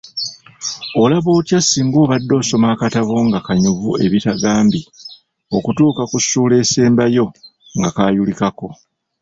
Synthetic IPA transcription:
o̞laβo̞ːtjasiːŋɡo̞ːβadːo̞ːso̞maːkataβo̞ŋɡakaɲuvṵe̞̰βitaɡaːmbi | o̞kutuːkakusuːle̞ːse̞ːmbajo̞ | ŋɡakaːjulikako̞

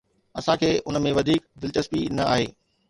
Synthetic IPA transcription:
ɐsãkʰeːʊnəmẽʋɐd̪ʱiːkd̪ɪlt͡ɕɐspinɐa̰ːɦeː

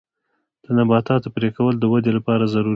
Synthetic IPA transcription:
d̪̥ənabɑt̪ɑt̪əpɾekawəld̪əwad̪elapɑɾazaɾu

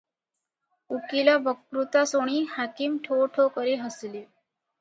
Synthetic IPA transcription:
ukilabəkɾut̪asoɽ̃iːhakimʈʰoʈʰokəɾeɦəsli

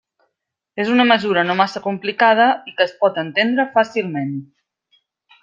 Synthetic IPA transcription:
ezunəməzuɾənomasəkumplikað̞əikəːspɔt̪ənt̪end̪ɾəfasilˠmen

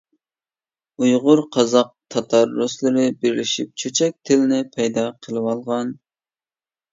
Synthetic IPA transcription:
ujʁʊɾqʰɑzɑq̚t̪ʰɑt̪ʰɑɾːʊslˠɨɾɪbɪɾlɪʃip̚t͡ʃʰøt͡ʃʰɛk̚ʲt̪ʰɪlɪnɪpʰɛjd̪ɑqʰəlˠɨwɑlˠʁɑn

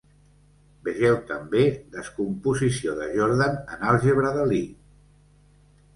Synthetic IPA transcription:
bəʒɛwt̪əmbeðəskumpuzisioðəʒoɾðanənalˠʒəβɾəðəli

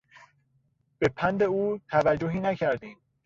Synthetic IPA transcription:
b̥e̞pʰænd̪e̞uːt̪ʰævæd͡ʒːoɦiːnæcʰæɾd̪iːm

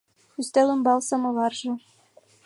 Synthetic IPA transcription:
yst̪ælɘ̆mbɑlˠsɑmɤ̆lɑrʒɤ̆

